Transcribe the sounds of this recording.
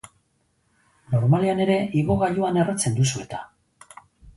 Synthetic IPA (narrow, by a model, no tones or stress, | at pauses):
no̞ɾmaleane̞ɾe̞iɣo̞ɣaʎuane̞rat͡se̞nd̪usue̞t̪ḁ